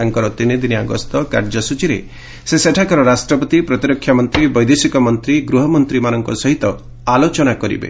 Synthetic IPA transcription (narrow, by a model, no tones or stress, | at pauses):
aŋkɔɾɔt̪inid̪iniaɡɔ̰st̪ɔkaɾd͡ʒɔsut͡ʃiɾḛ | seseʈʰakɔɾɔɾasʈɾɔpɔt̪ipɾɔt̪iɾɔkʰːjamɔnt̪ɾibɔjd̪esikɔmɔnt̪ɾiɡɾuɦɔmɔnt̪ɾimanɔŋkɔsɔɦit̪ɔ | alot͡ʃɔnakɔɾḭbḛ